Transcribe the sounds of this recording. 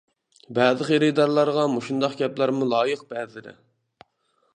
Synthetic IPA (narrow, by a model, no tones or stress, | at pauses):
bæðˠɨqeɾɪd̪ɑɾlˠɑɾʁɑmoʃund̪ɑqɡʲɛplˠæɾmulˠɑːjəq̚b̥æzɪɾɪ̰